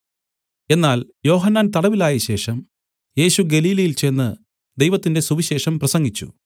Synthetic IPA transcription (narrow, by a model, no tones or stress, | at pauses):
e̞nːaːljo̞ːɦɐnːaːnt̪ɐɽɐʋilaːjɐɕe̞ːʂɐm | je̞ːɕuɡe̞liːlɐjilt͡ɕe̞nːɨ | d̪e̞jʋɐt̪ːinde̞suʋiɕe̞ːʂɐmprɐsɐŋɡit͡ɕːṵ